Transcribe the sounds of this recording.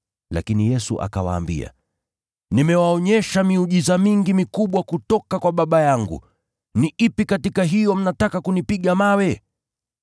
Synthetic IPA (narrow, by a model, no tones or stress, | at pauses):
la̰kinijɛsṵʔa̰kawa̰ːmbḭa̰ | nimɛwaɔɲɛʃamiuʄizamiŋɡimikuɓwakutɔkakwaɓaɓajaŋɡṵ | niʔipikatikaɦijɔm̩natakakunipiɠamawɛ